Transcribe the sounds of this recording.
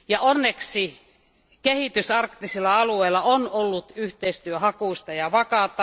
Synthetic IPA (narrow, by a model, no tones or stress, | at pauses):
jɑʔonːeksi | kehit̪ysɑrkt̪ːisilːˑɑɑlueilːˑɑonolːut̪yht̪eist̪yøhɑkust̪ɑjɑʋɑkɑˑt̪ːˑɑ